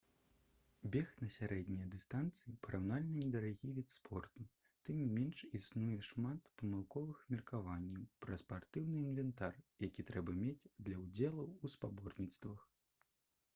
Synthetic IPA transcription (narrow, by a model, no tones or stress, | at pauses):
bʲɛxnɐsʲaɾɛd̪ʲnʲijɐd̪ɨst̪ant̪sɨipɐɾʔawnalʲnɐnʲɛd̪ɐɾaɣʲivʲɛt̪spʰɔrt̪u | t̪ɨmnʲimʲɛnʂisnujɛʂmat̪pɐmɨlˠkɔvɨxmʲirkavanʲːɛwpɾɐspart̪ɨwnɨinvʲɛnt̪arjakʲit̪ɾɛbɐmʲed͡zʲd̪lʲɐwd͡zʲɛlˠɐwuspabɔrnʲit̪st̪vɐx